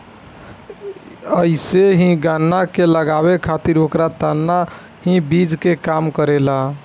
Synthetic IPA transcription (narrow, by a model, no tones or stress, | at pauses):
əiseɦĩɡanːakeləɡabekʰat̪iɾokɾat̪anːa | hĩbid͡ʒkekamkəɾela